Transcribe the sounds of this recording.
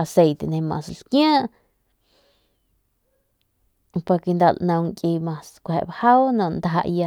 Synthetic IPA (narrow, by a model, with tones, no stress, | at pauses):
a˧se˧jt̪e˨nẽ˧mã̰˧slkjãː˦ʔ | pa˧ɾke˧nd̪a˧lʔnã˧wŋkʼi˧mã˧skʷhḛ˨ʔbha˦wnõ˧˨ʔnd̪aɦa̰˧ʔja˧